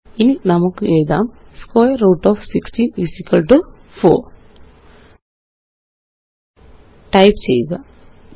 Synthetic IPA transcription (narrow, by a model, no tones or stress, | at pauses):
ininɐmɐkuɛːjid̪aːmskoːjɐɾoːʈɔːfʰsiksʈiːnʋisikɐlʈu | pʰoː | ʈɐjpt͡ʃɛ̰ːjiɡ̪aː